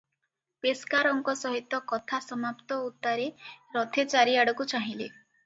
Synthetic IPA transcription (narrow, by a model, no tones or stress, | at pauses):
peskaɾɔŋkɔsɔɦit̪ːɔkɔt̪ʰasɔmapt̪ɔut̪ːaɾeɾɔt̪ʰet͡ʃaɾiaɽɔkut͡ʃaɦĩle